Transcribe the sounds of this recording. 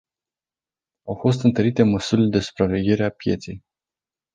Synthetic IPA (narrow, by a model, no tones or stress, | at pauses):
awfo̞s̬t̪ɨnt̪əɾit̪e̞məsuɾile̞d̪e̞su̥pɾave̞ɡʲe̞ɾe̞apje̞̰t̪sej